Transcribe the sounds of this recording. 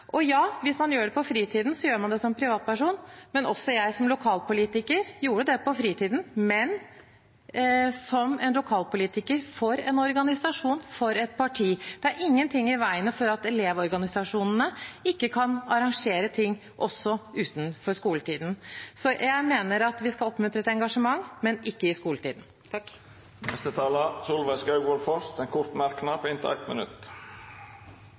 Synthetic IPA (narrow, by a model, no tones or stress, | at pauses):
ʔɔjɑːʋɪsmɑnjøːɖɛpɔfɾiːt̪ʰiːd̪n̩sɔjøːɾmɑnd̪ɛsɔmpʰɾɪʋɑːt̪̚pæʂuːnmɛnʔɔsːɔjæɪsɔmlʊkʰɑːlpʊliːt̪ɪkəɾjuːɾəd̪ɛpɔfɾiːt̪ʰiːd̪n̩mɛn | sɔmɛnlʊkʰɑːlpʊliːt̪ɪkəɾfɔɾɛnɔɾɡɑnɪsɑʂuːnfɔɾɛt̪̚pʰɑʈʰiːd̪̥ɛæɾɪŋːənt̪ʰɪŋːɪʋæɪənəfɔɾɑt̪ɛleːʋɔɾɡɑnɪsɑʂuːnnəɪkːəkʰɑnɑɾɑŋʂeːɾət̪ʰɪŋː | ʔɔsːɔʉːt̪n̩fɔɾʂkuːlət̪iːd̪n̩sɔjæɪmeːnəɾɑt̪ʋɪskɑɔpːmʉnt̪ɾəɛt̪ɛŋɡɑʂəmɑŋːmɛnɪkːəɪskuːlət̪ʰiːd̪n̩ | nɛst̪ət̪ʰɑːləsuːlʋɛskɑʉɡʋɔlfɔst̪ɛnkʰʊɾt̪mæɾknɑpʰoːɪnt̪ʰɪ̰æ̰ɪt̪mə̰nʉ̰t̪